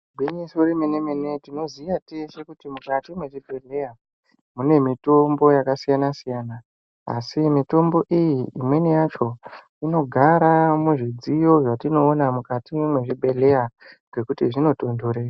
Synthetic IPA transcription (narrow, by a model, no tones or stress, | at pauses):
bʱinisuɾimenemene̞tino̞ziʋatese̞kutimukatimwe̞ʐibʱe̞ɮe̞ja | mune̞mito̞mbo̞jakasijanasijaːna | a̰simito̞mbo̞ʔijiimwe̞nejat͡ʃo̞ | ino̞ɡʱaɾamuʐid͡zijo̞ʐatino̞ːnamukatimwe̞ʐibʱe̞le̞jaŋɡe̞kutiʐino̞to̞ndoɾeːra